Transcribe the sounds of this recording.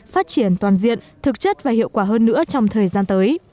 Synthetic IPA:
faː˦˥t̚t͡ɕi˧˩ənt̪waː˨˩nzḭ˧˨ən | t̪ʰɨ˨˩k̚t͡ɕə˦˥t̚vaː˨˩hḭ˧˨əwkwaː˧˩ɦəː˧nːɨ̰˧˥ət͡ɕɔ˧wŋ͡mt̪ʰəː˨˩jzaː˧nt̪əː˨˦j

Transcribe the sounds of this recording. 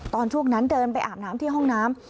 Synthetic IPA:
t̪ɔː˧nt͡ɕʰu˥˩əŋna˦˥ndɤː˧npa˧jʔaː˨˩mnaː˦˥mt̪ʰi˥əɦɔ˥˩ŋnaː˦˥m

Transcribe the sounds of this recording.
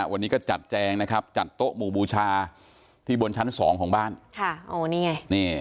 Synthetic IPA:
wʔa˧nːiː˦˥kɔː˥˩t͡ɕa˨˩t̪̚t͡ɕɛː˧ŋna˦˥kʰɾa˦˥p̚t͡ɕa˨˩t̪ːo˦˥ʔmuː˨˩buː˧t͡ɕʰaː˧ | t̪ʰiː˥˩bo˧nt͡ɕʰa˦˥nsɔː˩˦ŋkʰɔː˩˦ŋbaː˥˩nkʰa˥˩ʔoː˧˩niː˦˧˩ŋa˧˩jniː˥˩

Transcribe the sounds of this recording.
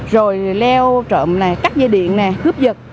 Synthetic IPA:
zo˨˩jlɛ˧wt͡ɕə̰ː˧˨mna˨˩kaː˦˥k̚zaː˧ɗḭ˧˨ənnɛ˨˩kɨ˦˥əp̚zə˨˩t̚

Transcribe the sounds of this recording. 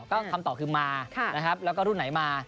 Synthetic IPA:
k̪ɔː˥˩kʰa˧mt̪ɔː˨˩kʰɯː˧maː˧kʰa˥˩na˦˥kʰa˦˥p̚lɛː˦˥wkɔː˥˩ɾu˥˩nːa˩˦jmaː˧

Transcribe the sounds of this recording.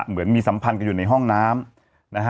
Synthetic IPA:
mɯ˩˦ənmiː˧sa˩˦mpʰa˧nka˧˩juː˨˩na˧jɦɔ˥˩ŋnaː˦˥m | na˦˥kʰ

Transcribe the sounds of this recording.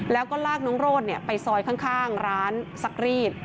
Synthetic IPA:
lɛː˦˥wkɔː˥˩laː˥˩k̚nɔː˧˦˥ŋɾoː˥˩t̪̚ni˦˥˩ɐpa˧jsɔː˧jkʰaː˥˩ŋkʰaː˥˩ŋɾaː˦˥nsa˧˥k̚ɾiː˥˩t̪̚

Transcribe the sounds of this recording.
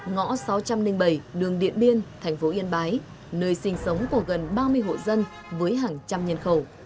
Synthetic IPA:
ŋɔ̰˧˥sa˨˦wt͡ɕa˧mnï˧ŋ̟ɓə˧˩jɗɨ˨˩əŋɗḭ˧˨ənɓi˧ənt̪ʰɛ˨˩jŋ̟fo˨˦ʔi˧ənɓaː˨˦j | nəː˧jsï˧˩ŋ̟sə˨˦wŋ͡mku˧˩əɣə˨˩nɓaː˧mɨ˧əjɦo̰˧˨jzə˧n | vəː˨˦jɦaː˨˩ŋt͡ɕa˧mɲə˧nxə˧˩w

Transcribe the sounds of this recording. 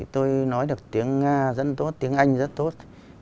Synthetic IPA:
t̪o˧jnɔ˨˦jɗɨ˨˩ək̚t̪i˨˦əŋːaː˧zə̰˧˥nt̪o˦˥t̚t̪i˨˦əŋʔa˧jŋ̟zə˦˥t̚t̪o˦˥t̚

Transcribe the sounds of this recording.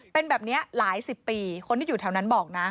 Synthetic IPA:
pe˧nbɛː˨˩p̚ni˦˥ɐlaː˩˦jsi˨˩pːiː˧kʰo˧nt̪ʰiː˥˩juː˨˩a˧˩wna˦˥nbɔː˨˩k̚na˦˥

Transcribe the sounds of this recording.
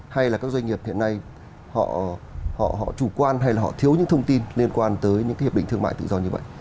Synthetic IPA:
ha˧jlaː˨˩kaː˦˥k̚zwŋi˨˩əp̚hḭ˧˨əna˧j | hɔ̰˧˨hɔ̰˧˨ɦɔ̰˧˨t͡ɕu˧˩kwaː˧nɦa˧jlaː˨˩ɦɔ̰˧˨t̪ʰi˨˦wɲɨ̰˧˥ŋt̪ʰə˧wŋ͡mt̪i˧nli˧ənkwaː˧nt̪əː˨˦jɲɨ̰˧˥kaː˨˦h̚ɗ̰ï˧ŋ̟t̪ɨ˧ŋma̰ː˧˨jt̪ɨ̰˧˨zɔ˧ɲɨ˧və̰˧˨jʔ

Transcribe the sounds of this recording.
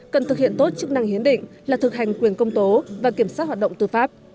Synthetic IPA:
kə˨˩nt̪ʰɨ˨˩k̚hḭ˧˨ənt̪o˦˥t̚t͡ɕɨ˦˥ək̚na˧ŋhi˨˦ənɗḭ̈˧˨ŋ̟laː˨˩t̪ʰɨ˨˩k̚ha˨˩jŋ̟kwi˨˩ənkə˧wŋ͡mt̪o˨˦vaː˨˩ki˧˩əmsaː˦˥t̚haː˨˩t̚ɗə̰˧˨wŋ͡mt̪ɨ˨˩faː˦˥p̚

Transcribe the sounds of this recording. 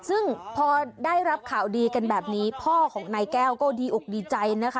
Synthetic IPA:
sɯ˥˩ŋpʰɔː˧daː˥˩jɾa˦˥p̚kʰaː˨˩˦wdiː˧ka˧nbɛː˨˩p̚niː˦˥pʰɔː˥˩kʰɔː˩˦ŋnaː˧jkɛː˥˩wkɔː˥˩diː˧ʔu˨˩k̚diː˧t͡ɕa˧jna˦˥kʰa˦˥

